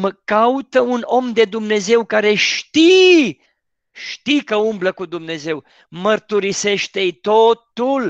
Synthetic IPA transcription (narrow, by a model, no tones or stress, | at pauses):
məkaut̪əuno̞md̪e̞d̪umne̞ze̞wkaɾe̞ʃt̪i | ʃt̪ikəumbləkud̪umne̞ze̞w | mərt̪uɾise̞ʃt̪ejt̪o̞t̪ul